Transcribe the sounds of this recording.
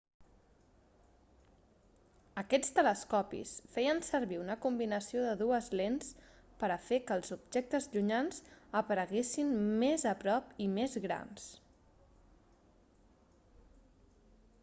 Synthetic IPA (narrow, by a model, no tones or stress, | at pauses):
əkɛt͡st̪ələskɔpḭsfɛjənsəɾβiunəkumbinəsioðəðuəzlens | pəɾəfekəːlˠzubʒek̚t̪əzʎuɲanzəpəɾəɣesinmezəpɾɔpimezɣɾa̰ns